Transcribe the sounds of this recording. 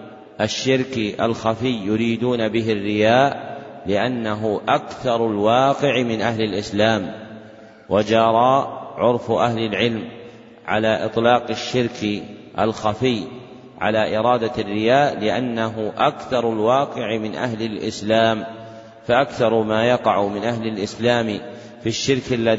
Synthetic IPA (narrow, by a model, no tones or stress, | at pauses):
ʔaʃːɪɾkʔa̰lxafɪjːʊɾiːd̪uːnabɪɦɪrːɪjaːʔlɪʔanːaɦʊʔakθɑɾˤalwɑːqɪʕmɪnʔahlɪlʔɪslaːm | wʔad͡ʒɑɾˤɑːʕʊɾˤfʔaɦlɪlʕɪlm | ʕa̰laːʔɨ̰t̪ˤlɑːqɪʃːɪɾkʔa̰lxafɪj | ʕa̰laːʔɪɾˤɑːd̪arːɪjaːʔlɪʔanːaɦʊʔakθɑɾˤalwɑːqɪʕmɪnʔa̰ɦlɪlʔɪ̰slaːm | faʔakθɑɾˤmaːjɑqɑʕʊmɪnʔaɦlɪlʔɪslaːm | fiʃːɪɾkalːa